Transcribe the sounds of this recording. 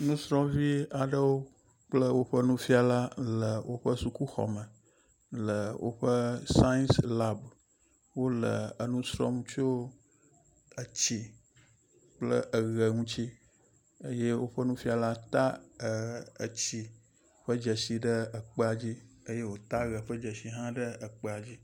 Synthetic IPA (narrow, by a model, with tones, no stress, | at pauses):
nũ˦sɾɔ̃˦vi˦a˨ɖə˦wo˦ | k͡plə˦wo˦ɸə˦nũ˦fi˦a˨la˦lə˨wʔo˦ɸə˦su˨ku˦xɔ̰˨mə˨ | lə˨wʔo̰˦ɸə˦sã˦nsla˦b | wo˦lə˨ə˨nũ˦sɾɔ̰˦m̃˦t͡ʃo˦ | ə˨t͡ɕi˦ | k͡plə̰˦ʔə˨ɣə˨ŋũ˦t͡ɕi˦ | ə˦je˦wo˦ɸə˦nũ˦fi˦a˨la˦t̪a˦ə˨ə̰˨t͡ɕi˨ | ɸə˦d͡ʒə˨si˨ɖə˦ə˨k͡pə˦a˨d͡ʑi˦ə˦je˦wo˦t̪a˦ɣə˨ɸə˦d͡ʒə˨si˨ɦã˦ɖə˦ə˨k͡pə˦a˨d͡ʑi˦